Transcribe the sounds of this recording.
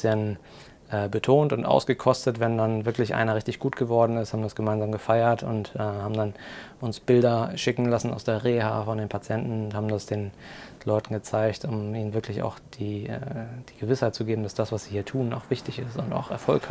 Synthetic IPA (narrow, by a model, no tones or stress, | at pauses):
jɛnn | ʔɛːbətʰoːntʊntʔa̰ʊsɡ̥əkʰɔstətvɛndanvɪɐklɪçʔa̰ɪnɐʁɪçtɪçɡ̥uːtɡ̥əvɔɐdn̩ɪsthaːbm̩dasɡ̥əmaɪnzaːmɡəfaɪɐtʊ̰ntʔɛːhaːbm̩danʔʊnsb̥ɪldɐʃɪkŋ̩lasn̩a̰ʊsd̥eːɐʁeːhaːfɔndeːnpʰat͡sjɛntn̩ʊnthaːbm̩dasd̥eːnlɔʏtn̩ɡət͡saɪçtʊmiːnənvɪɐklɪça̰ʊxd̥iːʔɛd̥iːɡ̥əvɪshaɪt̚t͡suɡeːbm̩dasd̥asv̥asz̥iːhiːɐtʰuːnaʊxv̥ɪçtɪçɪstʊnta̰ʊxɛɐfɔlk